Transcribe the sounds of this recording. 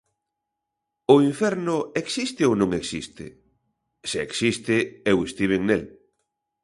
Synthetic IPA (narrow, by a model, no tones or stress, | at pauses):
ʊiɱfɛɾnʊeksist̪ɪownõŋeksist̪ɪ̰ | seeksist̪ɪewest̪iβeŋnel